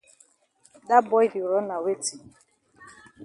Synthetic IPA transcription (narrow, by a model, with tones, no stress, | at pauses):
da˦bɔ˦i˦di˨ʊ˨ɾɔ˦na˨we˦ti˨